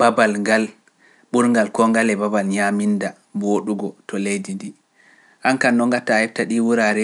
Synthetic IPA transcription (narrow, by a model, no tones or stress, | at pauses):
babalŋɡal | ɓuɾŋɡalkɔŋɡalɛbabalɲaminda | boɗuɡɔtʰɔlejdidi | ʔankanːɔŋɡatahɛftaɗiwuɾaɾɛ